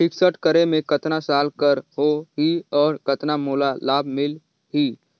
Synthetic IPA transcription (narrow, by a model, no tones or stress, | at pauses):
ʈʰɪksəʈkəɾemẽkɐt̪nasaːlkəɾɦoɦiɔːɾkɐt̪namoːlalaːbʱmɪl | ɦiː